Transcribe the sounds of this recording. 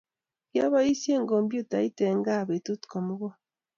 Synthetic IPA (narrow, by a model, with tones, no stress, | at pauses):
ja˦βa˦i˦sje˦ŋɡo˨mbju˦ta˨i˦te˨ŋɡa˦˨βe˨tu˦tu̥˨ko˨mu˦ɣɔ˦